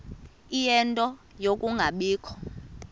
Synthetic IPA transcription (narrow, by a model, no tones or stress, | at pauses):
ijɛntʼɔ | jokʼuŋɡʱaɓiːkʰɔ̥